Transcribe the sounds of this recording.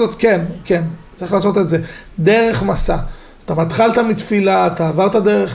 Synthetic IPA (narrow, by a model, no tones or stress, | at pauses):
ot̪kenke̞nt͡sʁiχlaːso̞tetze̞d̪e̞ʁe̞χmasa | at̪amat̪χalt̪amit̪filaːt̪aːvaʁt̪adeʁeχ